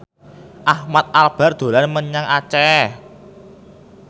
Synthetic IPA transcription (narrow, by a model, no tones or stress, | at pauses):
ʔahmat̪̚ʔalb̥a̤rd̪̥o̤lanməɲaŋat͡ʃɛ